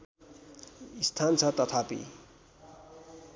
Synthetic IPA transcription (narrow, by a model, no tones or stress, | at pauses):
ist̪ʰant͡sʰʌt̪ʌt̪ʰapḭ